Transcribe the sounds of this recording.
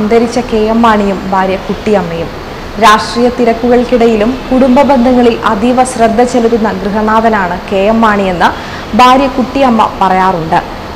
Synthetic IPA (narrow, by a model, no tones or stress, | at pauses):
ɐnd̪ʱɐɾit͡ɕːɐke̞ːjɐmːaːɳijumbʱaːɾjɐkuʈːijɐmːɐjum | ɾaːʂʈriːjɐt̪iɾɐkːuɣɐɭkiɽɐjilumkuɽumbɐbe̞nd̪ʱɐŋːɐɭilɐd̪ʱiʋɐsrɐd̪ʱːɐt͡ɕeluɾunːɐɡrɨɦɐnaːðɐnaːɳɨke̞ːjɐmːaːɳie̞nːɐ | bʱaːɾjɐkuʈːijɐmːɐ̰pɐrɐjaːruɳɖɨ